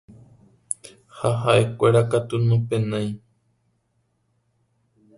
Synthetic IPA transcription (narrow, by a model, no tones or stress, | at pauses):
haɦaʔekʷeɾakat̪unõpenãj̃